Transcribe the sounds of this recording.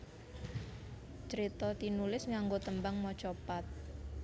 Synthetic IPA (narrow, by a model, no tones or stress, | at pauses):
t͡ʃəɾit̪ɔt̪inulɪsŋaŋɡot̪əmbaŋmɔt͡ʃopat̪̚